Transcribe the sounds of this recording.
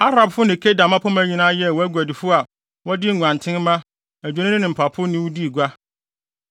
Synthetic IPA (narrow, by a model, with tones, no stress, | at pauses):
a˦ɾa˨bfʊ˦nɪ̃˨kʰe˦da˨mã˦pʰɔ˦mã˨˦ɲi˨nãː˦jɛ˦˨wɔ˦æ˦ɡʷæ˨dɪ˨fʊ˦a˨ | wɔ˦dɪ˦ŋʷ˨ã˨ntʰɪ̃˦n˦mã˦ | æ˨d͡ʑᶣa˨nɪ̃˦nɪ̃˦nɪ̃˨m̩˨pʰa˨pʰʊ˦nɪ̃˦wʊ˦di˦˨ɡʷa˦